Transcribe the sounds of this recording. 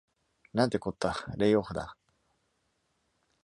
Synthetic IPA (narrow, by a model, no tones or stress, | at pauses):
nãnt̪ekot̪ːaɾejoɸd̪a̰